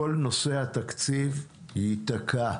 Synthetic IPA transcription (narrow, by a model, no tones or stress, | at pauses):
olno̞sehat̪akt͡siv | hiit̪akʰa